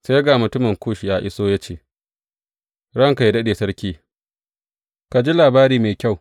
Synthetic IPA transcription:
se˦jɡaː˨mʊ˨tʊ˦mɐ˨ŋkʷoː˦ʃi˨jaː˦ʔɪ˦soː˦ja˦t͡ʃeː˦˨ | ɽɐ˦ŋka˨i˦dɐ˦ɗeː˨sɐ˦ɾkʲiː˦ | ka˨d͡ʒi˦laː˨baː˦ɾiː˦meː˨kʲa˦˨w

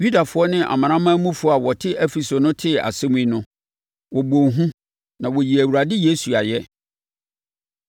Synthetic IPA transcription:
ju˦da˨fʊ˨˦ɔ˦nɪ̃˦ʔa̰˨mã˨ɾ̃ã˦mã˦mũ˦fʊ˦a˨wɔ˨tʰɪ˦ʔɛ˦fi˨so˨nʊ̃˦tʰɪ˦a̰˨sɛ̃˦m˦ĩ˦nʊ̃˦ | wɔ˨bõ˨ɦũ˦ | nã˨wɔ˨ji˨æ˨wu˨ɾa˨dɪ˦je˦su˨a˨jɛ˦

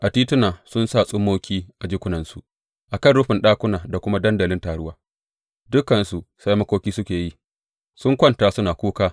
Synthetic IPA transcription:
ʔa˨tiː˦tʊ˦naː˨sʊ˦nsaː˦˨sʼʊ˦mːoː˦kʲiː˦ʔa˨d͡ʒɪ˦kʷʊ˦nɐ˨nsu˨ʔ | ʔa˨kɐ˦˨nɽʊ˦ɸɪ˨nɗaː˦kʷʊ˦naː˨da˨kʷʊ˦ma˦dɐ˦ndɐ˨lɪ˦ntaː˨ɽʊ˦waː˦ | dʊ˦kːɐ˨nsu˨ʔsa˦jmɐ˦kʷoː˦kʲiː˦sʊ˦kʲeː˨ji˦ | sʊ˦ŋkʷɐ˦ntaː˨sʊ˦naː˨kʷuː˦kaː˦

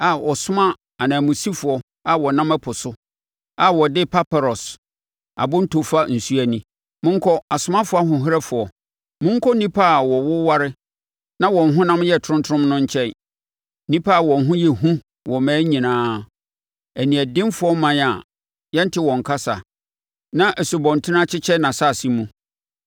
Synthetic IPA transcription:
a˨ʔɔ˨sʊ˦mã˦ | a˨nã˨mũ˨si˦fʊ˨ɔ˦ | a˨wɔ˨nã˦mæ˦pʰʊ˨sʊ˦ | a˨wɔ˨dɪ˦pʰa˦pa˨ɾɔ˨s | a̰˨bʊ̃˦n̩˦tʰo˨fa˦n̩˨su˦æ˨nĩ˨ | mʊ̃˦ŋ̩˦kʰɔ˦a˨sʊ˦mã˦fʊ˨˦a˦ɦʊ̃˨ɦɪ˦ɾɛ˦fʊ˨ɔ˨ | mʊ̃˦ŋ˦kʰɔ˦nĩ˦pʰa˦˨wɔ˨wʊ˦wa˦ɾɪ˦ | nã˦wɔ̃˨n˨ɦʊ̃˦nã˦mjɛ˦˨tʰʊ̃˦ntʰʊ̃˦mnʊ̃˦ɲ˦t͡ɕʰɛ̃˦n˦ | nĩ˦pʰa˦˨wɔ̃˨n˨ɦʊ̃˦jɛ˨ɦũ˦ | wɔ˨mɛ̃ː˦ɲĩ˨nãː˦ | æ˨nĩ˨æ˨dɪ̃˦mfʊ˨˦ɔ˦mã˦n˨a˨ | jɛ˦n̩˦tʰɪ˦wɔ̃˨ŋ˨kʰa˦sa̰˨ | nã˦ʔæ˨su˨bɔ̃˨n˨tʰɪ˦n˦ã˦t͡ɕʰɪ˦t͡ɕʰɛ˦nã˨sa˦˨sĩ˦mũ˦˨

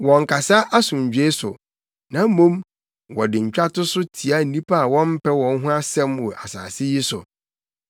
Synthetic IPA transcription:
wɔ̃˨ŋ˨kʰa˨sa˦ʔa˦sʊ̃˨ɲ̩˨d͡ʑᶣe˦sʊ̰˨ | nã˨˦mũ˦m | wɔ˨dɪ˨ɲ̩˨t͡ɕᶣa˦tʊ˦sʊ˦tʰi˨a˦n̩˨nĩ˦pʰa˦a˨wɔ̃˦m̩˦pʰɛ˦wɔ̃˦n˦ɦʊ̃˦a˦sɛ̃˦mwɔ˨ʔa̰˨sa̰ː˨sɪ˦ji˦sʊ̰˨

